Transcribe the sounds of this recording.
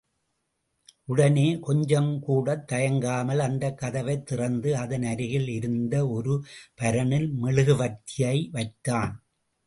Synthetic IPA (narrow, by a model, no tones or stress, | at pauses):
ʔʊɽɐneːkɔɲd͡ʒɐmkuːɽɐt̪ːɐjɐŋɡaːmɐlɐnd̪ɐkːɐðɐʋɐɪt̪ːɪrɐnd̪ɯɐðɐnɐɾɪɣɪlɪɾɯnd̪ɐɔɾɯpɐɾɐɳɪlmɛɭɯɣɯʋɐt̪ːɪjɐɪʋɐɪt̪ːaːn